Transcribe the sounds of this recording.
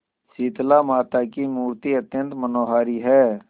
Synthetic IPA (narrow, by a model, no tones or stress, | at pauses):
siːt̪lamaːt̪akimuːɾt̪iət̪jə̃nt̪mənoːɦaːɾiɦɛː